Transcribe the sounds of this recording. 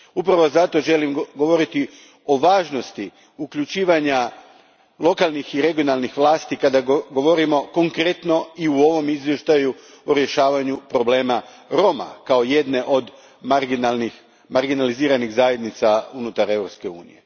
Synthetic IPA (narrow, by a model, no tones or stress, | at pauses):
upɾaʋo̞zat̪o̞ʒe̞limɡo̞ʋo̞ɾit̪i | o̞ʋaːʒno̞st̪i | ukʎut͡ʃiːʋaɲa | lˠo̞kalˠnixiɾe̞ɡijo̞nalˠnixʋlˠaːst̪ikad̪aɡo̞ʋo̞ɾimo̞ko̞ŋkɾe̞t̪no̞iuo̞ʋo̞mizʋje̞ʃt̪aju | oɾje̞ʃaːʋaɲupɾo̞ble̞ːma | ɾo̞ma̰kao̞je̞d̪ne̞ʔo̞d̪ | mɾɡnalnix | maɾɡinaliziːɾaniɣzaje̞d̪nit̪saunut̪aɾe̞ʋɾo̞pske̞uːnḭje̞